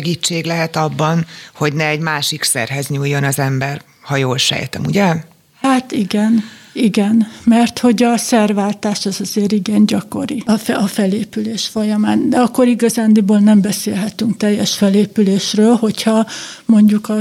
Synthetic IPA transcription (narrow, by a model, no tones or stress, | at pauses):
ɡit͡ʃːeːɡlɛɦɛt̪ɒbːɒnho̞ɟnɛːɟmaːʃiksɛ̰rɦɛzɲujːo̞nɒzɛmbɛr | hɒjoːlʃɛ̰jt̪ɛ̰muɟɛ | haːt̪iɡɛniɡɛnmɛrt̪ho̞ɟɒsɛrvaːlt̪aːʃɛzɒzeːɾiɡɛnɟɒko̞̰ɾifɛɒfɛleːpyleːʃfo̞jɒmaːnd̪ɛɒkːo̞ɾiɡɒzaːnd̪iboːlnɛmbɛseːlɦɛt̪yŋkt̪ɛjːɛʃfɛleːpyleːʃrøːlho̞chɒmo̞ɲɟukɒ